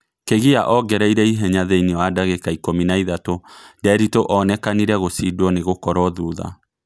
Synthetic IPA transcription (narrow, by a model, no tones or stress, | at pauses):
keɣiaʔɔɡɛɾɛiɾɛiɦɛɲaðeinewadaɣekaikominaiðatodɛɾitoʔɔnɛkaniɾɛɣosidwɔneɣokɔɾɔðuːða̰